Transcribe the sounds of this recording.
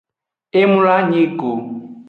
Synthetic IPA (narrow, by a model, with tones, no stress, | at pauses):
e˦mu˦la˦ɲi˦ko˨